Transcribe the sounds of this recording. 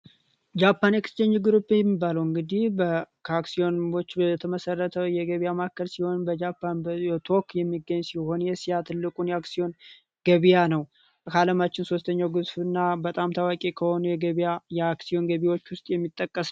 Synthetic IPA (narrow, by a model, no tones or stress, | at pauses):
d͡ʒapʰːanjɛkʰst͡ʃɛɲːɪɡɨɾopːejɛmːibːaləwɨŋɡɨd̪ihbəkʰaksio̞nwot͡ʃːbət̪ʰəməsərːət̪ʰəwjɛɡəβijamakʰːəlsiho̞nbəd͡ʒapʰːant̪ʰo̞kjɛmːiɡəɲːsiho̞njɛsijat̪ʰɨlːɨkʼunjɛaksijo̞n | ɡ̥əβijanəw | kʰaləmat͡ʃːɪnso̞st̪ʰəɲːawɡɨzfɨnːabət̪ʼamt̪ʰawakʼekʰəho̞nujɛɡəβajɛaksio̞nɡəβiwo̞t͡ʃːwʊst̪ʼjɛmːit̪ʼːəkʼːəs